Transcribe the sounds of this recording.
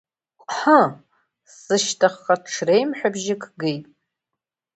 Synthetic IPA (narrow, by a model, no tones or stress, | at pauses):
ħə | sɨʃtʰaχaʈ͡ʂʰrejmħʷᶣabʒɪkʰɡejtʼ